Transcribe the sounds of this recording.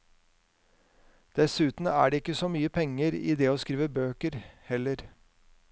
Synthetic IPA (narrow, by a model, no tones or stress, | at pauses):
d̪̥ɛsʉːt̪n̩æ̰ːɖeːɪkːəsɔmyːəpʰɛŋːəɾḭːd̪ɛːoːskɾiːʋəbøːkəɾhɛlːəɾ